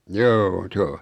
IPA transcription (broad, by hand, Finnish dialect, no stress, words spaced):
joː s o